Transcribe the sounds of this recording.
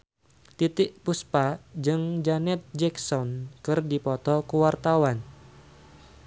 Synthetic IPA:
t̪it̪ɪʔpuspad͡ʒɨŋd͡ʒanɛt̪̚d͡ʒɛksɔnkɨrdipɔt̪ɔkuwart̪awan

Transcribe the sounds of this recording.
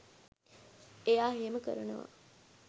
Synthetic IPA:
ejaːɦeːməkə̰ɾənəʋa̰

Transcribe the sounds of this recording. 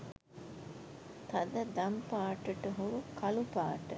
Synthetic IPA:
t̪ɐd̪əd̪ampaːʈəʈəɦuɾukʰɐlupaːʈə

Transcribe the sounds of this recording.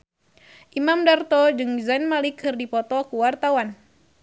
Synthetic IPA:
ʔimamdart̪ɔd͡ʒɨŋzanmalikʰːɨrdipɔt̪ɔkuwart̪awan

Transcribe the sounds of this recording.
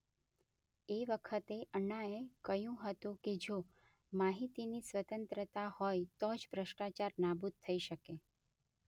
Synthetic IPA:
eʋəkʰət̪eʔəɳaekəjũɦət̪ũked͡ʒo | maɦit̪inisʋət̪ənt̪ɾət̪ahɔjt̪od͡ʒbɾəʃʈat͡ʃaɾnabud̪̚t̪ʰəiʃəke

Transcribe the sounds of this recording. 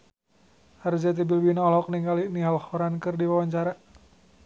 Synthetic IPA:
hard͡ʒat̪̬ibilbinaɔlɔk̚niŋɡaliniɦalhuɾankɨrdiwawaɲt͡ʃaɾa

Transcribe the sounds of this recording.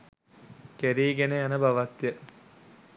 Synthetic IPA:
keɾiːɡeneɐnəbaʋɐt̪ːjə

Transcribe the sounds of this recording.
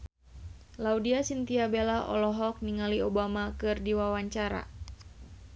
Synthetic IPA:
laudiasint̪iabelaʔɔ̰lɔɦɔk̚niŋaliobamakɨrdiwawaɲt͡ʃaɾa̰

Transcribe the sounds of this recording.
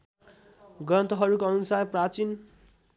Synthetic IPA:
ɡʌnt̪ʌɦʌɾukoʌnusajprat͡sin

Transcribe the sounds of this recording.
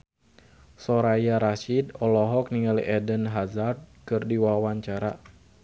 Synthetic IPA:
sɔɾajaɾaʃidɔlɔɦɔk̚niŋaliʔɛdənɦazard̚kɨrdiwawaɲt͡ʃaɾa

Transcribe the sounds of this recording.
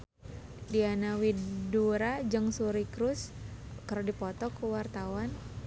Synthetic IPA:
dianawiduɾad͡ʒɨŋsuɾikɾʊskaɾodipɔt̪ɔkuwart̪awan

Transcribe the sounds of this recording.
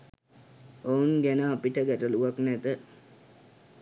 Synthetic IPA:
ounɡænəapiʈəɡæʈəluʋaknæt̪ə

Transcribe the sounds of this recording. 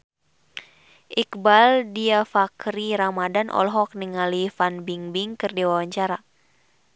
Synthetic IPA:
ʔikbaldiafakɾiɾamadanʔɔ̰lɦɔk̚niŋalifanbiŋbiŋkɨrdiwawaɲt͡ʃaɾa

